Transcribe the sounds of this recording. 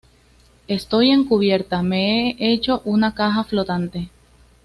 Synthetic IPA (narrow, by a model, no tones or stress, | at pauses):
e̞st̪o̞je̞ŋkuβ̞je̞ɾt̪ame̞eʔe̞t͡ʃo̞ʔunakaxaflo̞t̪ant̪e̞